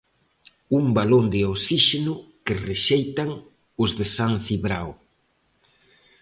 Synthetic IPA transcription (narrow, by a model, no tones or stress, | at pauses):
umbalond̪ɪosiʃenʊkɪreʃejt̪aŋ | ʊzðɪsanθiβɾaw